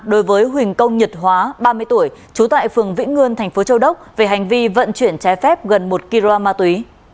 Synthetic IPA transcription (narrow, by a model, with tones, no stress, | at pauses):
ɗo˨˦jvəː˨˦jɦwï˨˩ŋ̟kə˧wŋ͡mɲə˨˩t̚ɦwaː˨˦ɓaː˧mɨ˧əjt̪u˧˩əjt͡ɕu˨˦t̪a̰ː˧˨jfɨ˨˩əŋvḭ˧˥ŋŋɨ˧ənt̪ʰɛ˨˩ŋ̟fo˨˦t͡ɕə˧wɗə˦˥wk͡p̚ve˨˩ɦa˨˩jŋ̟vi˧və̰˧˨nt͡ɕwi˧˩ənt͡ɕɛ˨˦jfɛ˦˥p̚ɣə˨˩nmo˨˩t̚ki˧lo˧a˧maː˧t̪wi˨˦